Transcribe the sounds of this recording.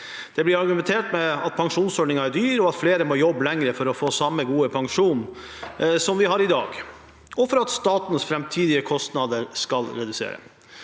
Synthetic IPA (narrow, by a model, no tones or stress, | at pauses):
d̪̥ɛblɪɾɑɾɡʉmɛnt̪ʰeːʈmɛɑt̪̚pʰɑŋʂuːnsɔɖɳɪŋɑæɖyːɾɔɑt̪fleːɾəmoːjɔbːlɛŋɾəfɔɾɔfoːsɑmːəɡuːəpʰɑŋʂuːn | sɔmʋɪɦɑɾɪd̪ɑ̰ːɡ | ɔfɔɾɑt̪st̪ɑːt̪n̩əsfɾɛmt̪ʰiːd̪ɪəkʰɔst̪nɑd̪əɾskɑlɾɛd̪ʉsḛːɾə̰